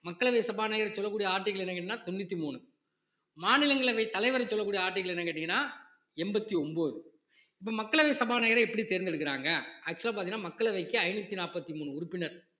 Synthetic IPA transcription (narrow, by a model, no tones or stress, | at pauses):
mɐkːɐɭɐʋɐɪsɐbaːnɐjɪɾɐsɔlːɐkːuːɽɪijɐaːʈːɪɣɐɭɛnːɐkɐʈːɪŋnːaːt̪ɔnːɯt̪ːimuːnɯ | maːnɪlɐŋɡɐɭɐʋɐɪt̪ːɐlɐɪʋɐɾɐsɔlːɐkːuːɽɪjɐaːɾʈ̬ːɪɣɐɭɛnːɐkɐʈːɪŋɐnːaː | ɛmbɐt̪ːiɔmboːðɯ | ɪpːomɐkːɐɭɐʋɐɪsɐbaːnɐːjɪɾɐɛpːɐɽit̪eɾɪnd̪ɪɽɯkːɪɾaːŋɡɐɐk̚t͡ʃːɯlapaːɾt̪iŋnaːmɐkːɐɭɐʋɐɪkːɯɐɪnɯt̪ːinaːpɐt̪ːimuːnɯʊɾʊpːɪnɐɾ